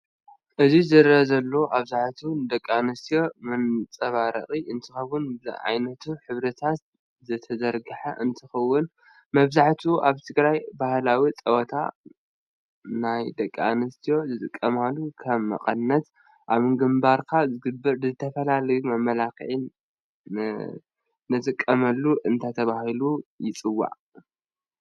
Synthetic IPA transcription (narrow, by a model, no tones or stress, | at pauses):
ʔɨzizɨɾɐzɐlːo̞ʔaβzaħt̪ʰud̪ɐkʼːanɨst̪ʰijo̞mɨnt͡sʼɐβaɾɐ̰χʼiʔɨnt̪ʰɨxɐwʊn̰ʕa̰jnɐt̪ʰuħɨβɾɐt̪ʰat̪ | zɨt̪ʰɐzɐɾɡɨħa̰ʔɨnt̪ʰɨxɐwːʊn | mɐβzaħt̪ʰuʔaβt̪ʰɨɡɾajbahlawit͡sʼɐwɐt̪ʰa̰ | najd̪ɐkʼːianɨst̪ʰijo̞zɨt̪ʼɨkʼːɐmalːukʰɐmːɐ̰qʼɐnːɐt̪ | ʔaβɨŋɡɨmbaɾkʰazɨɡɨbːɨɾɨzɨt̪ʰɐfɐlalɐjmɐmːɐlakɨ̰ʕin | nɨt̪ʼɨkʼːɐmɐlːuʔɨnt̪ʰat̪ʰɐβahilujɪt͡sʼɨwːa̰ʕ